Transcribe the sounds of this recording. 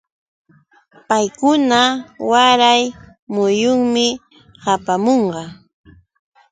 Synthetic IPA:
pajkʊnawaɾaj | mʊjʊŋmɪ | hapamoɴɢɑ

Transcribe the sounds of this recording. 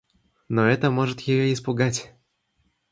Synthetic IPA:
nɔɛt̪ɐmɔʐɨt̪jejɛispuɡat͡ɕʲ

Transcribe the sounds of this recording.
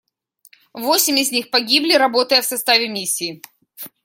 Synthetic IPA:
vosʲɪmʲɪzʲnʲixpɐɡʲiblʲɪɾɐbo̞t̪əjəfsɐst̪avʲɪmʲisʲːiː

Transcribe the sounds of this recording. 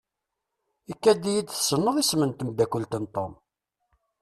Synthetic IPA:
ikːæd̪ijid̪θsənːəðˤismənt̪əmd̪ækəlt̪ənt̪ˤom

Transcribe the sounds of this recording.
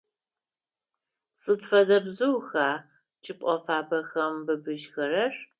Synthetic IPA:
sʼɨtfɐdɐbzɨwxaː | t͡ʃʼɪpʷʼɔfaːbɐxɐmbɨbɨʃxɐɾɐr

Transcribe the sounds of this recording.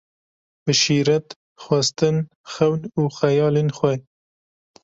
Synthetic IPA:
bɨʃiːɾɛt̪ | xwɐst̪ɨn | xɛwnuːxɛjɑːlenxʷɛj

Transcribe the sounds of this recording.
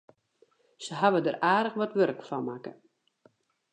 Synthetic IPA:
səɦaʋədəraːdəxʋɔtʋørkfɔnmakə̰

